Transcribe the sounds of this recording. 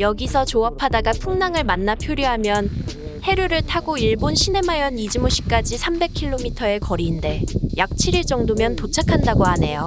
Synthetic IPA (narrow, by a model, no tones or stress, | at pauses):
jʌɡisʰʌt͡ɕoapʰadaɡapʰuŋnaŋɯɭmanːapʰjoɾjoɦamjʌn | he̞ɾɯɾɯɭtʰaɡoiɭbonɕʰine̞majʌnid͡ʑimoɕʰi̥k͈ad͡ʑisʰambe̞kʰiɭːomitʰʌe̞kʌɾiːnde̞jak̚t͡ɕʰiɾiɭt͡ɕ͈ʌŋdomjʌntot͡ɕʰakʰandaɡoɦane̞jo